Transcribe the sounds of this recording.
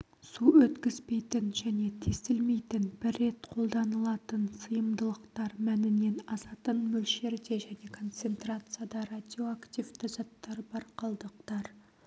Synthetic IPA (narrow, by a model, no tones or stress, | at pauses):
suwɵt̪kʲɪz̥pe̞jt̪ɪnʒæne̞t̪ʰe̞st̪ɪlme̞jt̪ɪnbɪrːe̞t̪qʰo̞lˠd̪ɑnəlˠɑt̪ənsəjəmd̪əlˠəqt̪ɑɾmænɪne̞nɑsɑt̪ənmɵlʃe̞ɾd̪e̞ʒæne̞kʰo̞nt̪se̞nt̪ɾat̪sɨjad̪ɑɾad̪ʲio̞akt̪ʲivd̪ɪzɑt̪ːɑɾbɑɾqʰɑlˠd̪əq̚t̪ɑɾ